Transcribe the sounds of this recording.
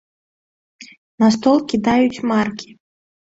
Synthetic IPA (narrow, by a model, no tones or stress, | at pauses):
nast̪ɔlˠkʲid̪ajut͡sʲmarkʲʰi̥